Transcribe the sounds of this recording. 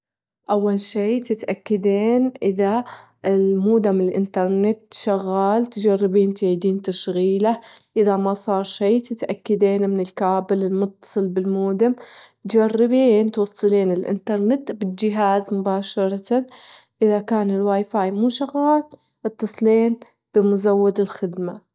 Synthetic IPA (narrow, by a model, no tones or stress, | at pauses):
ʔawːalʃiːt̪ɪt̪ʔakːad̪eːnʔɪða | ɪlmuːd̪amɪlʔɪ̰nt̪ɑɾˤnɪt̪ʃaɣːaːlt̪d͡ʒarːɪbiːnt̪ɪʕiːd̪iːnt̪aʃɣiːlaʔɪðamasˤɑːɾˤʃiːt̪ɪt̪ʔakːad̪eːnmɪnɪlkaːbɪlɪlmʊt̪ːɑ̥sˤɨlbɪlmuːd̪amt̪d͡ʒarːɪbiːnt̪wɑsˤːɨleːnɪlʔɪ̰nt̪ɑɾˤnɪt̪bɪld͡ʒɪɦaːzmʊbaːʃɑɾˤɑt̪an | ʔɪðakaːnɪlwaːjfaːjmuːʃaɣːaːl | ʔɨt̪ːɨsˤleːn | b̥ɪmʊzawːad̪ɪlxɪd̪ma